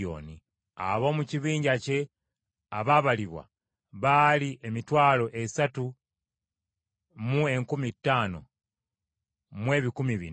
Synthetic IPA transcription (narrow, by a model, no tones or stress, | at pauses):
o̞̰ːni | a̰βo̞ːmuciβiːɲɟace̞ | aβaβaliβwa̰ | βaliʔe̞mitwaːlo̞ʔe̞satu | mue̞ŋkumitːaːno̞̰ | mwe̞ːβikumiβḭn